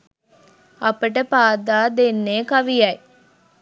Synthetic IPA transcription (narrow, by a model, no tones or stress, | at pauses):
ɐpəʈəpaːd̪aːd̪enːeːkɐʋijɐj